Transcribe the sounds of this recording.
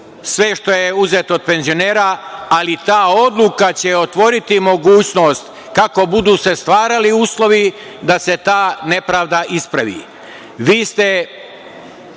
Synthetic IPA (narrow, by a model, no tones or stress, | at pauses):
sʋeʃt̪o̞jeuzet̪od̪̚pe̞nzio̞neːɾaalit̪aːo̞d̪lukat͡ɕe̞o̞t̪ʋo̞ɾit̪imo̞ɡuːt͡ɕno̞ːst̪ | kako̞bud̪uːse̞st̪ʋaːɾaliuːslˠo̞ʋi | d̪ase̞t̪aːne̞pɾaːʋd̪aʔispɾaʋḭː | ʋiːst̪e